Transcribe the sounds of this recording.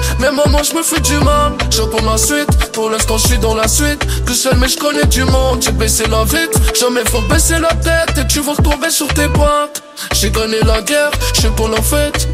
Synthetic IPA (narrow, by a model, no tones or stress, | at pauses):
mɛmɔmɑ̃ʒəməfɛd̪ymãlʒə̃pɔ̃lasɥit̪puʁlɛskɔ̃ʒəsɥid̪ɑ̃lasɥit̪ːusœlmɛʒəkɔnɛd̪ymɔ̃d̪ʒebɛselavit̪ʒamɛfɔʁbɛselat̪ɛt̪ekt̪yvəʁət̪ɔ̃vesyʁt̪epwɛ̃t̪ | ʒeɡanelaɡɛʁʒɛpulafɛt̪